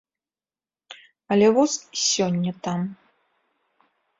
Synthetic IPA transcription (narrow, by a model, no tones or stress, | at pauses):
ɐlʲɛvɔsʲsʲɔnʲːɐt̪am